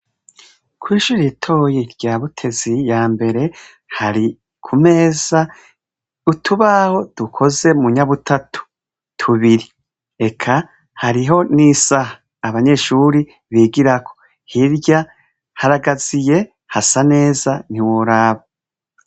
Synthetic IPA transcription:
kʰwiːʃuːɾitʰo̞ːjeɾɟaːβutʰe̞zijaːmbe̞ɾe̞ | haɾi | kʰume̞za | utʰuβaho̞d̥ukʰo̞ze̞muɲaβutʰatʰu̥ | tʰuβiɾi | e̞kʰa | haɾiɦo̞nisahaː | βaɲe̞ʃuːɾi | βiːɡiɾakʰo̞ | hiɾɟa | haɾaɡazije̞ | hasane̞ːzaniwoɾaːβa

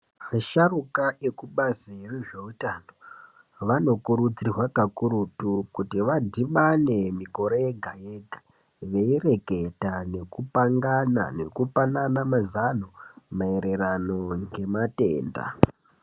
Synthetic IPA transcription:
maʃarukaʔekuɓazireʐe̞utano̞ | ʋano̞kuɾud͡zirwakakuɾutukutiʋadʱiɓane̞miko̞ɾejeɡʱajeɡʱa | ʋe̞ire̞ke̞tane̞kupaŋɡana̰ne̞kupananamazanomaeɾe̞ɾano̞ŋɡe̞mate̞̰ːnda̰

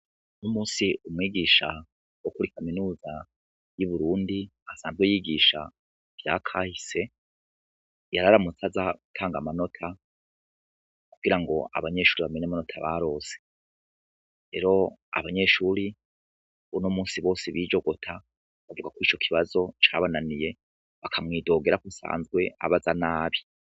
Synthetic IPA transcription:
nomuːsiumŋiːɡiːʃa | wokuɾikaminuːza | juβuɾuːndi | asaːnzɡwejiɡiːʃa̰ | vja̰kʰaːhise̞ | jaɾaɾamut͡sazaɡutʰaːŋɡamano̞tʰa | kuɡiɾaŋɡo̞a̰βaɲe̞ːʃuːɾiβame̞ɲamano̞tʰaβa̰ɾo̞ːse | ɾe̞ːɾo̞a̰βaɲe̞ːʃuːɾi | unomuːnsiβo̞ːsiβiːd͡ʒo̞ɡo̞tʰa | βavuɡakwiːt͡ʃo̞kʰiβazo̞t͡ʃaβananije̞ | βakʰamŋiːdo̞ːɡe̞ɾakusa̰ːnzɡwe̞ʔa̰βazanaːβi

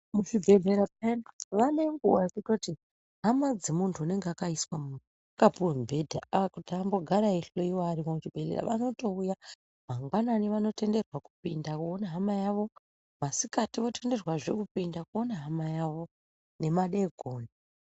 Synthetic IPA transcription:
muʐibʱe̞ɮeɾapenʋane̞ŋɡuwakutoti | ɦamad͡zemuntʰuːne̞ŋɡeakaiswamu | kapuembʱe̞dʱa̰akutiambo̞ɡʱaɾaiɬoiwoaɾikomut͡ʃibʱe̞ɮḛɾa̰ʋano̞to̞uja | maŋɡwananiʋano̞te̞nde̞rwaku̥pindakuonaɦamajaʋo̞ | ʋasikatiʋo̞te̞nde̞rwaʐe̞kupindakuonaɦamajaʋo̞ | ne̞maɗeɡʱoːne

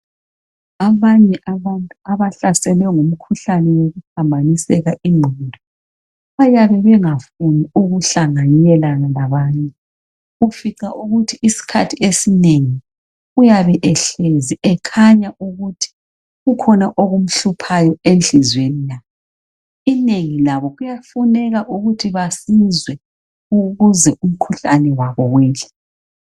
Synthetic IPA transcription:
aβaɲɛʔaβantʼuaβaɬasɛlɛɔŋum̩kʰuɬanɛwoɣupʰambʱanisɛɣaʔiŋ͡ǃʱɔndʱɔ | βajaβɛβɛŋafuniuɣuɬaŋaɲɛlanalaβaːɲɛ | ɣufiǀaʔuɣutʰiːsi̥kʰatʰiesineŋi | ujaβɛʔɛɬeziʔɛkʰaɲaʔuɣutʰi̥ | ɣukʰɔnaʔoɣum̩ɬupʰajɔenɬizwenilaβɔ | ineŋilaβɔɣujafunɛɣaʔuɣutʰiβasizwɛ | uɣuzɛum̩kʰuɬanɛwaβɔwɛːɬḁ

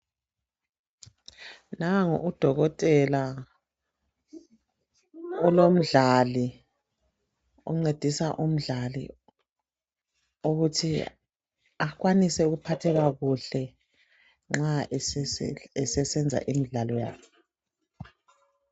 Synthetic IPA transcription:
naŋɔ̰ʔud̥ʱɔɣɔtʼɛla | ulom̩ɮali | ṵŋ͡ǀed̥ʱisaʔum̩ɮalḭ | oɣutʰi | aɣwanisɛuɣupʰatʰɛɣaɣuɬɛ | ŋ͡ǁa | ɛsɛsɛnd͡zʱa̰ʔimiɮalɔja̰ːkʰɛ

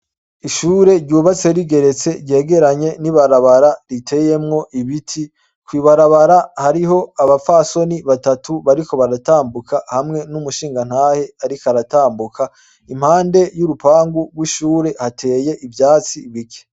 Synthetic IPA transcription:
iʃuːɾe̞ɾɟuːβat͡se̞ɾiɡe̞ɾe̞t͡se̞ɾɟe̞ːɡe̞ɾaɲe̞niβaɾaβaɾaɾitʰe̞je̞mŋo̞ʔiβitʰi | kwiːβaɾaβaɾahaɾiɦo̞aβafaso̞niβatatuβaɾiko̞βaɾataːmbukʰahamŋe̞numuʃiːŋɡan̥haːhe̞aɾikaɾataːmbukʰa | im̥haːnde̞juɾupaːŋɡuɡwiʃuːɾe̞hatʰe̞ːje̞ʔivjaːt͡siβike̥

